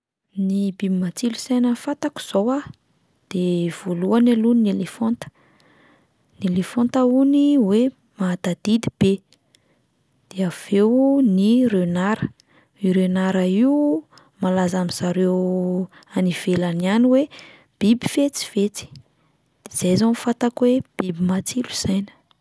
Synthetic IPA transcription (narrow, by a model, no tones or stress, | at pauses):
nibibimat͡silusejnəfat̪aku̥z̥owa | d̪̥ev̥oluanaluninelefont̪ə̥ | nelefont̪əuniwe | mad̪ad̪id̪i̥b̥e | d̪̥eav̥ewnirønaɾə | iɾenaɾaiu | malazamiz̥aɾew | aniv̥elanianiwe | b̥ibifet͡si̥v̥et͡si̥ | d̪̥ez̥ajzanfat̪akweb̥ibimat͡siluz̥ajnə̥